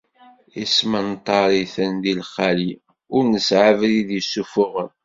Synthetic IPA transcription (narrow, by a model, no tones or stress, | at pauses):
ismənt̪ˤːɑɾˤiθənðilχːali | ʊɾnəsʕavliðjəsːufʊʁən